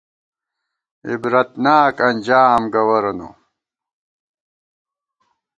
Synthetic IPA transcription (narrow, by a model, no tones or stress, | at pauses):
ḭbɾɐt̪naːkɐnʲd͡ʑaːmɡɐwɐɾɐnṵ